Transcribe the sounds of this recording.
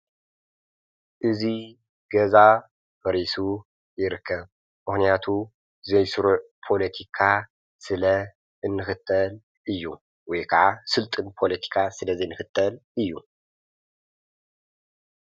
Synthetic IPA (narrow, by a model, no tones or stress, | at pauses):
ʔɨzi | ɡ̥ɐza | bɐɾisu | jɪɾɨkʰːɐβ | mɨxnijat̪ʰu | zɐjsɨɾuʕ | pʰo̞lɐt̪ʰikʰa | sɨlɐ | ɨnːɨxɨt̪ʰːɐl | ʔɨjːṵ | wɔjkʰaʕasɨlt̪ʼɨnpʰo̞lɐt̪ʰi̥kʰasɨlɐzenɨxɨt̪ʰːɐlʔɨjːu